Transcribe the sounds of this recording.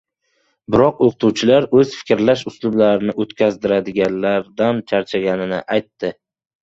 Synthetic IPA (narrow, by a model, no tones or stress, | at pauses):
bɪɾɒqoqʰt̪ʰuwt͡ʃʰɪlaɾɵzfɪ̥kʲɾlaʃʊslˠʊblaɾɪnɪʔot̪kʲazd̪ɪɾad̪ɪɡʲanlaɾd̪ant͡ʃʰaɾt͡ʃʰaɡʲanɪnɪ̰ʔajt̪ːɪ